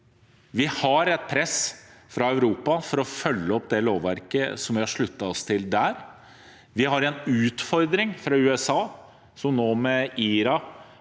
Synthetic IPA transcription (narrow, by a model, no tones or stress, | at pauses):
ʋɪhɑɾɛt̪̚pʰɾɛsfɾɑœʉɾuːpɑfɔɾɔfœlːəɔpd̪ɛloːʋʋæɾkəsɔmʋɪhɑʂɭʉt̪ːɑɔst̪ʰɪld̪æːɾ | ʋɪhɑɾɛnʉːt̪fɔɾd̪ɾɪŋfɾɑʉːɛsɑː | sɔmnoːmɛiːɾɑ